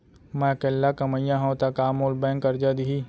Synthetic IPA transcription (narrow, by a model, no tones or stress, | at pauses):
mãːkelːakɐməjãɦɐ̃wt̪akaːmoːlbɛ̃ːŋkɐɾd͡ʒad̪iɦiː